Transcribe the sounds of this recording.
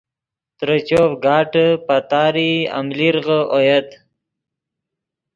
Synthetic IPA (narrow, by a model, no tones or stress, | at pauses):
t̪ɾət͡ɕoːfɡɑːʈəpat̪aːɾia̰mliɾʁəojɐt̪